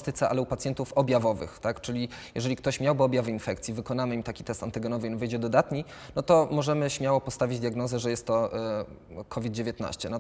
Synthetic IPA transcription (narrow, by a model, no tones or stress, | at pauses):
st̪ɘt̪sɛa̰lɛupat̪sjɛnt̪ufɔbʲjavɔvɘ̰xt̪akt͡ʂɘlʲijjɛʐɛlʲik̚t̪ɔɕmʲjawbɘɔbʲjavɘinfɛkt̪sʲjivɘkɔnamɘimt̪akʲi̥t̪ɛst̪ant̪ɘɡɛnɔvɘnvɘjd͡ʑɛd̪ɔd̪at̪ɲi | nɔt̪ɔmɔʐɛmɘɕmʲjawɔpɔst̪avʲid͡ʑd̪ʲjaɡnɔzɛʐɛjɛst̪ːɔ | kʰɔvʲid̪̚d͡ʑevʲjet̪na̰ɕt͡ɕɛnɔ